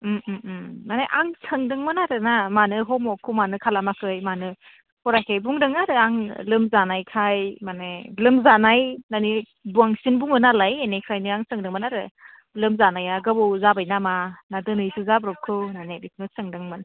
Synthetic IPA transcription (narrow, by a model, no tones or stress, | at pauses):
m̩ | naneʔaŋsʰɯŋdɯŋmanaɾɯnamanɯɦɔmɔkʰɯmanɯkʰalamakʰɯjmanɯ | hɔɾajkʰejbuŋdɯŋaɾɯaŋlɯmzanajkʰajmanelɯmzanajnani | buaŋsinbuŋɯnalajenekʰɾajniaŋsɯŋdɯŋmanaɾɯ | lɯmzanajaɡɯbɯwzabajnamanadɯnɯjsɯzabɾɔp̚kʰɯnanelisnɯsɯŋdɯŋmɯn